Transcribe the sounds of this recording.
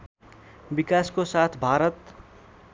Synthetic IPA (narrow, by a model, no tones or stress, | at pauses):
bikaskosat̪ʰbʱaɾʌt̪